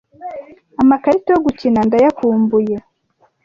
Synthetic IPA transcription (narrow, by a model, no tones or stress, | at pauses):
amakaɾitajoɡucinandajakuːmbuje